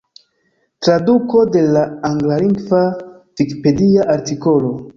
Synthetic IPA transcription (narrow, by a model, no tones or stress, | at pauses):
tɾaduko̞de̞laːŋɡlaliŋɡva | vikipe̞diaʔaɾtiko̞lo̞